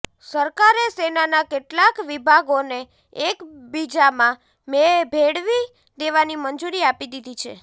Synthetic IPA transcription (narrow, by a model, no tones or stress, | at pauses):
səɾkaɾesenanakeʈlakʋibʱaɡone | ekbid͡ʒamã | mebʱeɽʋi | d̪eʋanimənd͡ʒuɾiapid̪id̪ʱit͡ʃʰḛ